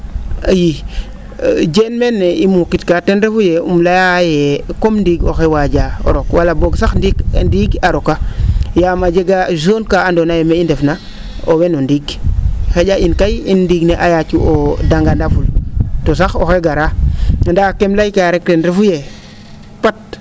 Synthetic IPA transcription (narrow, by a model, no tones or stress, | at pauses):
aji | d͡ʒenmeneimukitkatenɾefujeṵmlajajekomndiɡo̰xewad͡ʒao̰ɾokwalaboɡsaxndikndiɡaɾokajamad͡ʒeɡazonkaandonajemeindefna | owenondiɡxed͡ʒaʔinkajindiɡneʔajat͡ʃuodaŋɡandafultosaxo̰xeɡaɾandakemlajkaɾektenɾefuje | pat̚